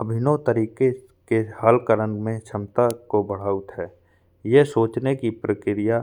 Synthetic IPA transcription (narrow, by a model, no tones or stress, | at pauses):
əbʱɪnot̪əɾiːke | kehəlkəɾənmẽt͡ʃʰɐmt̪akobəɽ̤aːut̪ɦɛː | jesoːt͡ʃnekipɾəkɪɾɪja